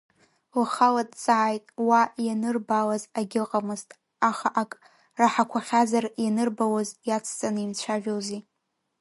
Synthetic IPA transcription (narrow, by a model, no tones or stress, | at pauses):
waχaladt͡sʼaʕajtʼwajanɨrbalazaɡʲɪlqʼamɨztʼ | aχaʔakʼ | raħakʷʰaχʲazarjanɨrbawazjat͡sʰt͡sʼanɨimt͡ɕʷʰaʒᶣozi